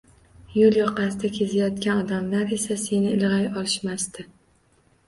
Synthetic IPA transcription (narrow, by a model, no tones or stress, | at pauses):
joljɒqasɪd̪akʲʰe̞zajɒt̪kʲanɒd̪amlaɾe̞sase̞nɪɪlʁajɒlˠɪʃmast̪ɪ